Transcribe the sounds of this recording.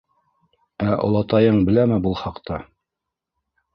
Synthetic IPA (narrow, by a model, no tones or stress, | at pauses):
æʔŏ̰lˠɑt̪ɑjɤɴbɘ̆læmɘbulˠχɑqt̪ɑ